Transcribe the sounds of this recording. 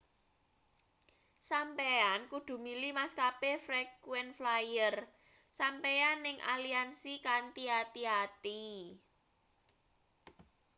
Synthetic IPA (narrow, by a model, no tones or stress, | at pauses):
sampeankud̪̥ṳmilimaskapefɾɛkuwɛnflajər | sampeanːɪŋʔa̰liansikant̪iat̪iat̪i